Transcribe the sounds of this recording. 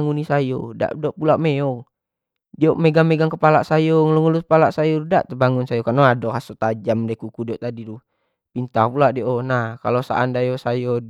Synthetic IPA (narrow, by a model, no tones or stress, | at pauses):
ŋunisajɔda̰ʔdɔʔpulaʔmɛɔ | dioʔmɛɡaŋmɛɡaŋkəpalaʔsajɔŋlɔŋulupalaʔsajɔda̰ʔt̪əbaŋunsajɔkanɔadɔkasut̪ad͡ʒamdakukudiɔt̪adidu | pint̪apulaʔdiɔʔɔnahkalosa̰ʔːndajosajɔ